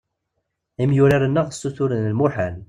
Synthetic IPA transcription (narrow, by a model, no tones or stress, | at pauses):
imjʊɾaɾənːəʁəsːuθʊɾənəlmʊħəl